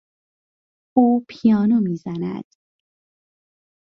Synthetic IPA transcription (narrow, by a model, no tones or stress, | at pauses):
ʔuːpʰijɒːnomiːzænæ̰d̪̥